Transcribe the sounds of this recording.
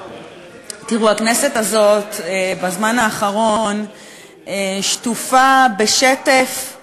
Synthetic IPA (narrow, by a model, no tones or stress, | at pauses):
tiʁuhaknese̞tazo̞tebazmanaːχaʁo̞n | eʃtufabe̞ʃetef